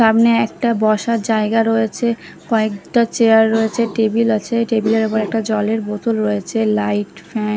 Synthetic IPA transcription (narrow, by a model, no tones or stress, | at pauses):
ʃamneɛk̚ʈabɔʃaɾd͡ʑaeɡaɾojet͡ɕʰe | kɔekʈat͡ɕeaɾːoet͡ɕʰeʈebilat͡ɕʰeʈebileɾopoɾɛk̚ʈad͡ʑɔleɾbot̪ulɾɔjet͡ɕʰelajʈfɛn